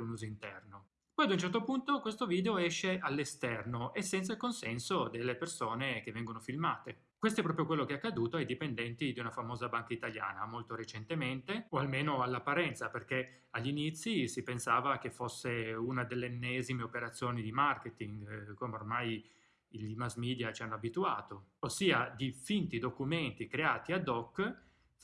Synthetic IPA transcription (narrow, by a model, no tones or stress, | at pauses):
unuːzoint̪ɛrno | pɔjad̪unt͡ʃɛrt̪opunt̪okwest̪oviːd̪eoɛʃːeʔalːest̪ɛrnoʔesːɛnt̪sailkonsɛnsod̪elːepersoːnek̟evːɛŋɡonofilmaːt̪e | kwest̪oɛpɾɔːpɾjokwelːokeɛakːad̪uːt̪oajd̪ipend̪ɛnt̪id̪iunafamoːzabaŋkait̪alja̰ːna̰molt̪oɾet͡ʃent̪ement̪eoalmeːnoalːapːaɾɛnt̪saperk̟e | aʎːinit̪sːisipensaːvak̟efosːeunad̪elːeenːɛzimeopeɾat̪sːjoːnid̪imarket̪iŋɡkomeormaj | imazmiːd̪jat͡ʃianːoabit̪ua̰ːt̪oosːiːad̪ifint̪id̪okument̪ikɾeaːt̪iad̪ɔkː